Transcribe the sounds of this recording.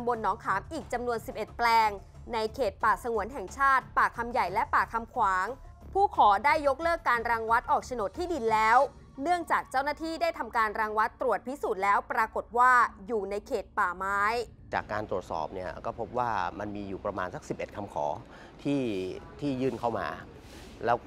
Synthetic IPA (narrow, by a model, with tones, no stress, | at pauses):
mbo˧nːɔː˩˦ŋkʰaː˩˦mʔiː˨˩k̚t͡ɕa˧mnu˧ənsi˨˩p̚ʔe˨˩t̪̚plɛː˧ŋ | na˧jkʰeː˨˩t̪̚paː˨˩sa˧ŋu˨˩˦ənɦɛ˨˩ŋt͡ɕʰaː˥˩t̪̚paː˨˩kʰa˧mja˨˩jlɛ˦˥paː˨˩kʰa˧mkʰwaː˩˦ŋpʰuː˥˩kʰɔː˩˦daː˥˩jːo˦˥k̚lɤː˥˩kːaː˧nɾaː˧ŋwa˦˥t̪̚ʔɔː˨˩k̚t͡ɕʰa˧no˨˩t̪ʰːiː˥˩di˧nlɛː˦˥w | nɯ˥˩əŋt͡ɕaː˨˩k̚t͡ɕaː˥˩wnaː˥t̪ʰiː˥˩daː˥˩jt̪ʰa˧mkaː˧nɾaː˧ŋwa˦˥t̪ːɾu˨˩ət̪̚pʰi˦˥suː˨˩t̪̚lɛː˦˥wpɾaː˧ko˨˩t̪̚waː˥˩juː˨˩na˧jkʰeː˨˩t̪̚paː˨˩maː˦˥j | t͡ɕa̰ː˨˩kːaː˧nt̪ɾu˨˩ət̪̚sɔ̰ː˨˩p̚ni˥˩ɐkɔː˥˩pʰo˦˥p̚waː˥˩ma˧nmiː˧juː˨˩pɾa˧maː˧nsa˦˥k̚si˨˩p̚ʔe˨˩t̪̚kʰa˧mkʰɔ̰ː˩˦ | t̪ʰiː˥˩t̪ʰiː˥˩jɯː˥˩nkʰa˥˩wma̰ː˧ | lɛː˦˥w